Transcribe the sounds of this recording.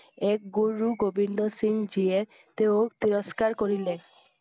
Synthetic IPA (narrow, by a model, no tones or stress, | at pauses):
ek̚ɡoɾuɡobʱindosiŋd͡ʑieɾ | t̪eot̪iɾoskaɾkoɾile